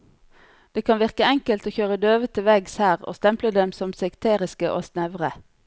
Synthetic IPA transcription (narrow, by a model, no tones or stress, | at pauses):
d̪̥eːkʰɑnʋɪʁkəɛŋkəlt̪oːçøːʁəd̪øːʋət̪ʰəʋɛɡshæːʁo̰ːst̪ɛmpləd̪ɛmsɔmsɛkt̪ʰeːʁɪskəʔo̰ːsnɛʋʁə